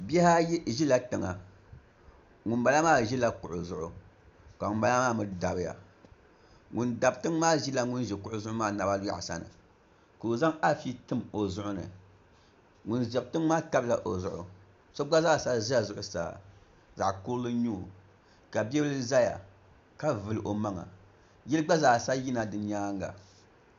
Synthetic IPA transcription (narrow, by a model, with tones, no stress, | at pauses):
bɛ˦ha˦ʒi˦la˦tɨ˨ŋa̰˨ | ŋʊ˨nba˨la˦maː˦˨ʒi˦la˦kʊ˨ʔʊ˨zʊ˨ʔʊ̰˨ | ka˨ŋʊ˨nba˨la˦maː˦˨mɨ˦˨da˨bɨ˨ja̰˨ | ŋu˨nda˨b̚tɨ˦ŋ˦maː˦ʒi˦la˦ŋʊ˦n˦ʒɛ˨kʊ˨ʔʊ˨zʊ˦ʊ˦maː˦na˨ba˦lja̰˦ʔsa̰˦˨nɨ̰˨ | koː˨za˦ŋa˦fi˦tɨ˦mo˨zʊ˦ʔʊ˦nɨ̰˨ | ŋʊ˨nʒɛ˨b̚tɨ˦ŋmaː˦ta˦bla˨ʔo˨zʊ˦ʔʊ̰˨ | so˦ɡ͡ba˦za˦˨sa˦ʒa˦˨zʊ˨ʔʊ˨sa̰ː˨ | za˨ʔku˦lɨ˦ɲu˦˨ | ka˨bɛ˦bɨ˦ɨ˦za˦ja̰˨ | ka˦vɨ˨lɨ˨ʔo˨ma˦ŋa̰˨ | jɛ˦lɨ˦ɡ͡ba˦zaː˨sa˦ji˦na˨dɨ˨˦ɲa˦ŋɡa̰˨